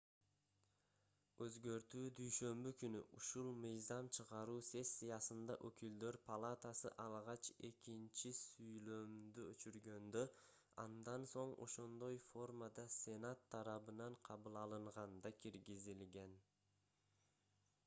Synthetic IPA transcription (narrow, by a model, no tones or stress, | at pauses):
øzɡø̞ɾt̪yːd̪yjʃø̞mbykyny̰ʔuʃulˠmɯjzɑmt͡ʃʰɯʁɑɾuːse̞sːijɑsɯnd̪ɑʔøkyld̪ø̞ɾpʰɐlˠat̪asɯ̰ʔɑlˠʁɑt͡ʃe̞kint͡ʃisyjlø̞md̪yøt͡ʃyɾɡø̞nd̪ø | ɑ̰nd̪ɑnso̞ɴo̞̰ʃo̞nd̪o̞jfo̞rmad̪ɑsʲe̞nat̪ʰːɑɾɑβɯnɑɴqʰɑβɯlˠɑlˠɯɴʁɑnd̪ɑkʰiɾɡizilɡe̞n